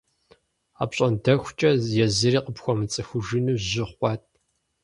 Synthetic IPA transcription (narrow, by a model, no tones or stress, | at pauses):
a̰ːpɕʼɐndɐxʷt͡ʃʼɐjɛzɨriːqəpxʷɔmɨt͡sʼɨxʷʊʒɪnuːʑɪχʷʼɑːt̚ʰʼ